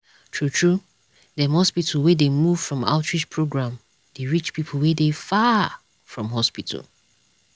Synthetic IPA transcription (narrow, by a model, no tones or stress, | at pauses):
tʰɹutʰɹu | dɛ̃mhɔspitʰəlˠwedemuv̥fɹɔ̃ma̰ʊtʰɹid͡ʒpʰɹoɡɹãm | d̥eɹit͡ʃpʰipʰəl̩ˠwedefa | fɹɔ̃mɦɔspitʰə̰l